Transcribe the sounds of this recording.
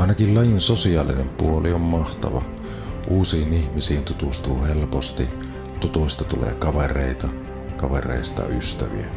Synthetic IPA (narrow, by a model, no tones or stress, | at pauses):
ɑˑenɑkillɑjinsosiɑːlinempuoliommɑht̪ɑ̰ʋɑ̰ | ʔuːsiːnihmisiːnt̪ut̪ust̪uːhelpost̪i | t̪ut̪uist̪ɑt̪ulḛːkɑʋereˑit̪ɑ | kɑʋerḛˑist̪ɑ̰yst̪æʋḭæ